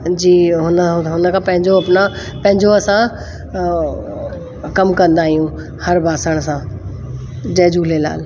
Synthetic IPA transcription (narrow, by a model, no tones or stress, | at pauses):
d͡ʑiːɦʊnɦɦʊnəkʰãːpɐ̃ɦɪ̃ɲd͡ʑoɐpna | pɐ̃ɦɪ̃ɲd͡ʑoɐsã | kɐmkɐ̃nd̪aːɦijũ | hɐɾbʱaːsəɽ̃sãː | d͡ʑɐːd͡ʒuːlela̰ːl